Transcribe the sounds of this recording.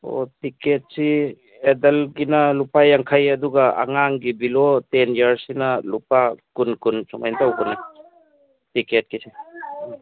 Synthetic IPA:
o̰tiket̚si | edɐlɡinɐlupajaŋkʰajɐduɡaa̰ŋaŋɡibilotenjaɾsinɐlupakunkunsɔma̰jntawɡuni | tiket̚kisi

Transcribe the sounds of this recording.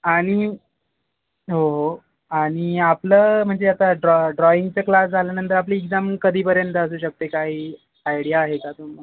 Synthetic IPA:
aɽ̃i | ɦoɦo | aɽ̃iapləːm̤əɳd͡zeat̪aɖɾɔɖɾɔiŋɡt͡səklasd͡zʱaljanənt̪əɾapliːɡd͡zamkəd̪ʱiːpəɾjənt̪əəs̬uːɕək̚t̪ekaɦiː | ajɽijaːɦekat̪um̤a

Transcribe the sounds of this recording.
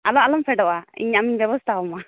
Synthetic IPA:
alɔalɔmpɛɖɔʔaḭɲamiɲbjɛbɔst̪ʰaɔma

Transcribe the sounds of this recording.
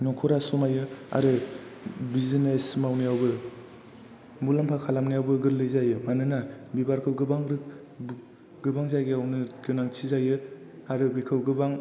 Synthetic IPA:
nɔkʰɔɾasumajɯa̰ɾɯ | bizinesmawnijawbɯ | mulampʰakʰalamnijawbɯɡɯɾlɯjzajɯmanɯnabibaɾkʰɯwɡɯbaŋɾɯ | ɡɯbaŋzajɡiawnɯɡɯnaŋt͡ʃʰizajɯ | aɾɯbikʰɯwɡɯbaŋ

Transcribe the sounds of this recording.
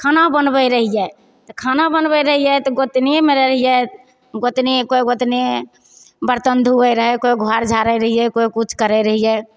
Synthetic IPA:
kʰanabənbɛɾəɦijɛ | t̪ɔkʰanabənbəjɾəɦijɛt̪ɔɡot̪nemeɾəəɦijɛ | ɡot̪nekojɡot̪ne | bəɾt̪ənd̪ʱuɛɾəɦɛkojɡʱaɾd͡ʒʱaɾɛjɾəɦijɛkojkut͡ʃʰkəɾɛɾəɦijɛ

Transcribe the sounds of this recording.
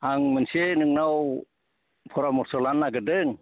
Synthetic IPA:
aŋmənsenɯŋnaw | pʰɔɾamɔɾsɔlanːaɡədɯŋ

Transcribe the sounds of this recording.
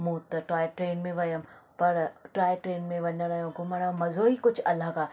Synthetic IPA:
mũːt̪ɐʈɾaːjɪʈɾeːnmẽʋɐjəmpɐɾʈɾaːɪʈɾeːnmẽʋɐɲəɽ̃ɐjõɡʊməɽ̃ãmɐzoːikʊd͡ʑʱɐləɡaː

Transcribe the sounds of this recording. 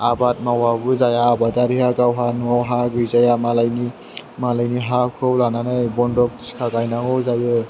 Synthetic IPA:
abat̚mawabuzajaːbadaɾihaɡawɦanuawɦaɡɯjzajamalajni | malajniɦakʰɯwlananɯjbɔndɔk̚diskʰaɡajnaɡɔwzajɯ

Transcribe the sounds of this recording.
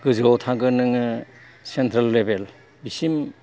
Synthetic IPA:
ɡɯzɔtʰaɡɯnɯŋɯ | sentʰɾɐlːebel | bisim

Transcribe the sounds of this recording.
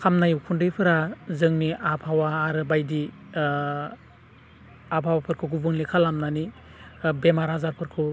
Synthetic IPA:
kʰamnajukʰundɯjpʰɯɾazɯŋniapʰawaːɾɯbajdi | apʰawapʰɯɾkʰɯɡubɯŋlikʰalamnani | bemaɾazaɾpʰɯɾkʰɯ

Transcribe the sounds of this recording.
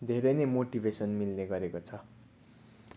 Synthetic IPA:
d̪ʱeɾʌnemoʈibʱesʌnmilneɡʌɾekot͡sʰʌ

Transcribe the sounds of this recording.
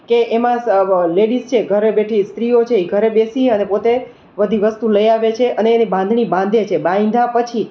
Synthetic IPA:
keʔemãleɽist͡ʃʰeɡʱəɾebeʈʰist̪ɾiot͡ʃʰeiɡʱəɾebesiənepot̪e | ʋəd̪ʱiʋəst̪uləjaʋet͡ʃʰeʔəneːnibãnd̪ʱɳibãnd̪ʱet͡ʃʰebãĩnd̪ʱapət͡ʃʰi

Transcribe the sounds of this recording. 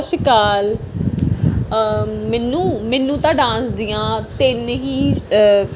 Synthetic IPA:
ʃɪkaːl | mɛːnːũːmɛːnːũːt̪ãːɖãːsd̪ɪjãːt̪enɦĩː

